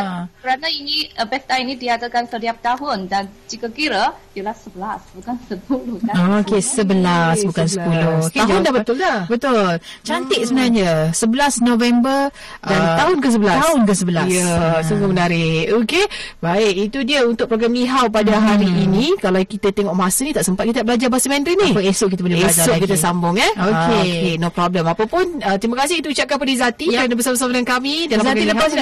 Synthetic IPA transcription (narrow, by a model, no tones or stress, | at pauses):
kəɾanainiəbɛst̪ainidiadakansət̪iap̚t̪aɦʊndand͡ʒikakiɾadiəlahsəbəlasbukansəp̚ulʊhookesəbəlasbukansəpulokead͡ʒʊnndabət̪ʊldabət̪ʊlt͡ʃant̪ɪʔ̪̚səbənarɲasəbəlasnovɛmbər | dantt̪aɦʊnkəs̬əbəlasaɦʊnkəs̬əbəlajəsuŋɡomənaɾɪhokebaɪʔit̪udiəunt̪ʊk̚pɾoɡɾamliɦawpadaɦaɾiːnikalawkit̪ət̪eŋɔʔmasənit̪aʔsəmpat̪̚kit̪aʔbəlad͡ʒabasəmɛnd̪ɾinihpesʊʔ̚kit̪aboleesaoʔkit̪̬əsambʊŋɛokeokenopɾɔbləmapapʊnət̪ɾimakasɪhit̪uut͡ʃap̚kanpadizat̪iɾanabəsabəs̬amaɾankamidalamailəpas